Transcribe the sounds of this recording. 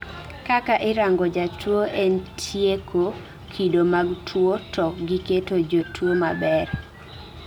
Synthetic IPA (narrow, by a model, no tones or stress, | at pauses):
kakaʔɪɾaŋɡɔd͡ʒatwoʔentʰjekʰo | kʰidomaɡtʰwotʰɔk̚ɡiketod͡ʒotʰwomabɛɾ